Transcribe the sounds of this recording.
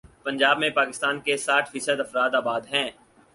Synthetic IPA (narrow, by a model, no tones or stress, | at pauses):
pɐ̃ɲd͡ʒaːbmẽpaːkɪst̪aːnkesaːʈʰfiːsəd̪ɐfɾaːd̪aːbaːd̪ɦɛ̃ː